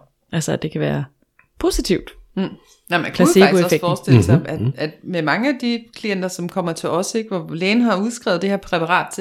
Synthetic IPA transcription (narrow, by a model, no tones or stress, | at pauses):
ʔælsəæd̥e̝kʰæʋæːɐ | pʰo̝ːsit͡sʰiʊd̥̩ | næmænkʰlæseɑ̈osefeɡ̥fɒːsd̥e̝l̩sɑ̈æ̥æd̥memɑ̈ŋəæd̥ikʰlien̰d̥ɐsɒ̽mkʰɒ̽m̰ɐt͡sʰe̝lɒ̽seɡ̥ʋɒlɛːnɦɑ̈uð̞ˠsɡ̥ʁɛ̰ʊð̩ˠd̥e̝heɐpʰʁɛpʰɑ̈ʁɑ̰̈ːd̥̚t͡sʰe